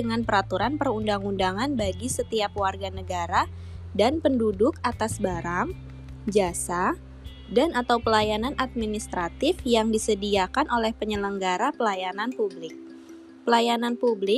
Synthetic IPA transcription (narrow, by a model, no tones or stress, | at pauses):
əŋanpəɾat̪uɾanpərundaŋundaŋanbaɡisət̪iapwarɡanəɡaɾa | danpəndudʊkat̪asbaɾaŋ | d͡ʒasa | danat̪awpəlajananʔat̪̚minist̪ɾat̪ɪfjaŋdisədiakanʔolɛhpəɲələŋɡaɾapəlajananpublɪk̚ | pəlajananpublɪ